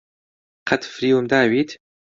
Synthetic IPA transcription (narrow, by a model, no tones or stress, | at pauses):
qʰat̪fɾiumd̪aːwiːt̪